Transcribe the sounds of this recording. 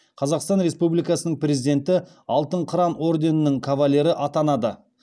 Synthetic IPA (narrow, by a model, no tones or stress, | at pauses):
qʰɑzɑqst̪ɑnɾe̞spublijkɑsənəɴprʲe̞zid̪ʲe̞nt̪ɪ | ɑlˠt̪əɴqʰəɾɑno̞ɾd̪e̞nənəŋkʰavalʲːe̞ɾɪʔɑt̪ɑnɑd̪ə